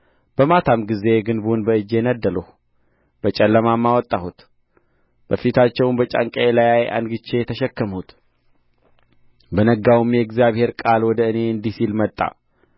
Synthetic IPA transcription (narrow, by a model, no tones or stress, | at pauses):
b̥əmat̪ʰamɡize̞ɡɨnbunbəɨd͡ʒːe̞nəd̪ːələh | b̥ət͡ʃʼɛlːəmamːawɔt̪ʼːahut̪ | b̥əfit̪ʰat͡ʃːɛwnbət͡ʃʼa̰ŋkʼəelajajʔa̰nɡɨt͡ʃːe̞jɛt̪ʰəʃɛkːəmhut̪ | bənəɡawumjɛɡzjaβhe̞ɾkʼalwɔd̪əɨne̞ɨnd̪isilmət̪ʼːa̰